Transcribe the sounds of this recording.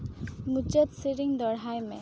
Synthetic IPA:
mut͡ʃət̪siɾiŋd̪ɔɽajmẽ

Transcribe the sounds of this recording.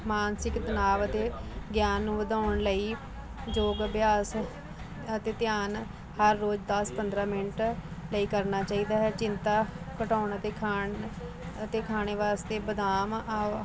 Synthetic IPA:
maːnsɪkt̪ənaːʋət̪eːɡjaːnːũːʋəd̪aːʊɳləiː | d͡ʒoːɡbjaːs | ət̪eːt̪ɪjaːn | həɾːoːd͡ʒd̪əspənd̪ɾaːmɪnʈləiːkəɾnaːt͡ʃaːiːd̪aːɦɛːt͡ʃɪnt̪aːkəʈaːʊɳət̪eːkʰa | ət̪eːkʰaːɽeːʋaːst̪eːbəd̪aːmː

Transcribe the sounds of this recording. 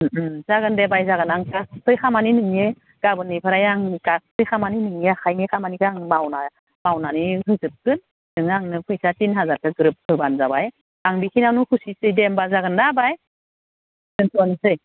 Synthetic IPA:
z̥aɡɯndebajzaɡɯnaŋkasʰɯjkʰamaninɯŋe | ɡ̥abɯnːipʰɯɾajaŋkak̚tʰɯjkʰamaninɯŋeaxʰajnikʰamanikʰɯaŋmawna | mawnaniɦɯzɯp̚kɯn | dɯŋaŋnɯpʰɯjsatinɦazaɾkɯɡɯɾɯp̚kʰɯbanzabaj | aŋbikʰinanukʰusisɯjdembazaɡɯndabaj | nɯntɔnsɯj

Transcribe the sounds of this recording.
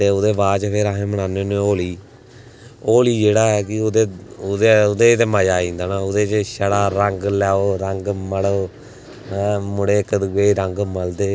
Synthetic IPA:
t̪eːʊd̪eːbaːt͡ʃpʰeɾaːɦẽːməɽ̃aːnenẽoːliː | oːliːd͡ʒeːɽaːɛːkɪd̪eːd̪eʊd̪eːt̪eːmaːjaːĩːnd̪aːnaːʊd̪eːt͡ʃʃəɽaːɾəŋɡlɛːoːɾəŋɡməɽoː | mʊɽeːkəd̪uːeːɾəŋɡməld̪eː

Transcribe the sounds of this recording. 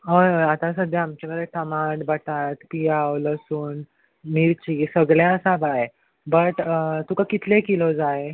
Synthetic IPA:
ɦojɦojat̪asəd̪ʱeamt͡ɕaɡəɾəʈʰəmaʈbəʈat̪pijawləsuːn | miɾt͡ɕiːsəɡɭjaəsabae | bəʈt̪ukakit̪ʰlekilod͡zae

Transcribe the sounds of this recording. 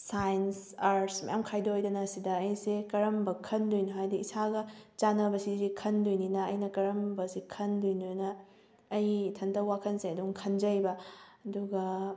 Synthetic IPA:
sajnsaɾsmɐ̰jamkʰajdojdɐnɐsidɐːjsekɐɾɐmbɐkʰɐndujnoɦajdiisaɡɐt͡ʃanɐbɐsizikʰɐndujninɐːjnɐkɐɾɐmbɐsikʰɐndujnonɐː | jtʰɐndɐwakʰɐnseɐduŋkʰɐnd͡ʒɐjbɐɐduɡɐ

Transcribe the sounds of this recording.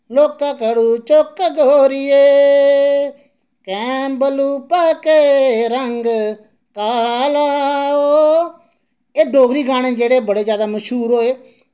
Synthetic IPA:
loːkaːkəɽuːt͡ʃoːkɡoːɾɪeː | kɛ̃ːmbəluːpəkeɾəŋɡ | kaːlaːooː | eːɖoːɡɾiːɡaːɽ̃ẽːd͡ʒeːɽeːbəɽeːd͡ʒjaːd̪aːməʃɦuːɾɦoːeː

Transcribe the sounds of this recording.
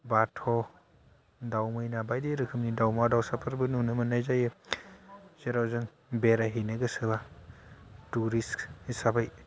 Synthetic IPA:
batʰɔ | dawmɯjnabajdeɾɯkʰɯmnidawmadawsapʰɯɾbɯnunɯmɯnajzajɯ | zeɾawzɯŋ | beɾaɦinɯɡɯsɯba | tuɾiskhisabaj

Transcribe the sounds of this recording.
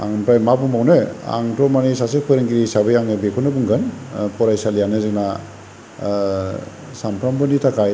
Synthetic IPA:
a̰ŋmpɾajmabumawnɯa̰ŋtɔmanisasek̚pʰɯɾɯŋɡiɾisabɯjaŋɯbekʰɔnɯbuŋɡɯnpʰɔɾajsalijanɯzɯk̚na | sampʰɾambɯnitʰakʰaj

